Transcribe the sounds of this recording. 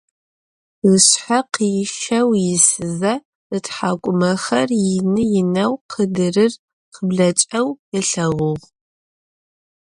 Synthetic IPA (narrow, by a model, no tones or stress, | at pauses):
ʁəɕħaqijʃɐwjɪsɨzɐ | ɨtħaːkʷʼʊmɐxɐrjɪnɨjɪnɐwqʰədɨrɨr | qʰəbɮɐt͡ʃʼɐwjɪɬɐʁʊʁ